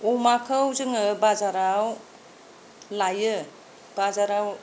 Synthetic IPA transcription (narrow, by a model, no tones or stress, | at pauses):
umakʰɯwzɯŋɯbazaɾaw | lajɯ | b̥azaɾaw